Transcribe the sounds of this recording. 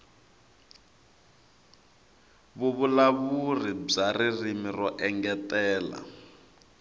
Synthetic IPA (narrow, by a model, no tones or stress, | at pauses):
βuβulaβurib͡ʐaririmirɔʔɛŋɡɛtɛːla̰